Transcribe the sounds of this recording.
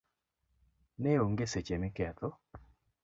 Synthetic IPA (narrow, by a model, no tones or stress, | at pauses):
neoŋɡeset͡ʃemɪkɛt̪ɔ